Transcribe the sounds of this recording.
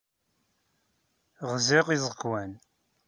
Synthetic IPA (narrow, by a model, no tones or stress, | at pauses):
ʁzɪʁizˤəkwæn